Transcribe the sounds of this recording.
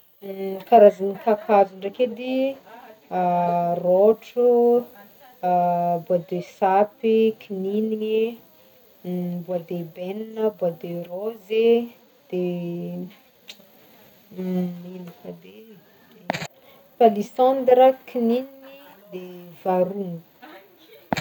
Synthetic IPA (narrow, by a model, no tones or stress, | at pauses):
kaɾazanikakʰazuɳɖ͡ʐaked̪i | roʈ͡ʂu | buad̪esapikʰininii | buad̪ebeninəbuad̪eroze | d̪̥e | ninifad̪e | palisand̪ɾəkininiŋid̪evaɾun